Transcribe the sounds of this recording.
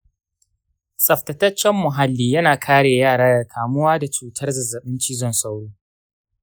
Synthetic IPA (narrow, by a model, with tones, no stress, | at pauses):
sɐ˨ɸtɐ˨tɐ˦t͡ʃːɛ˦mːʊ˨ɦa˦lːiː˦jɐ˦naː˨kʰaː˦ɽeː˨jaː˦˨ɽaː˦jɐ˨kʰaː˨mʊ˦waː˦da˨t͡ʃuː˨tʰɐ˦rzɐ˨zɐ˨ɓɪ˦nt͡ʃiː˦zɔ˦nsa˦wɽoː˦